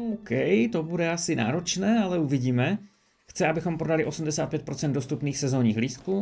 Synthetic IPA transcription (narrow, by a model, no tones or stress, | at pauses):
okɛjt̪o̞budɛasɪna̰ːɾo̞t͡ʃnɛːalɛuvɪɟiːmɛ | xt͡sɛabɪxo̞mpɾodalɪʔo̞sumdɛsaːt̪̚pjɛt̪pɾo̞t͡sɛnd̪dost̪upniːxsɛzo̞ːɲiːxɦliːsku